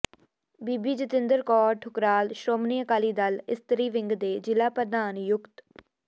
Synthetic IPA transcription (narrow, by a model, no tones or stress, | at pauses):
biːbiːd͡ʒɪt̪ɪnd̪əɾkɔːɾʈʰʊkɾaːlʃɾoːmniːəkaːliːd̪alɪst̪əɾiːʋɪ̃ŋɡd̪eːd͡ʒɪlaːpəɾd̪aːnjʊkt̪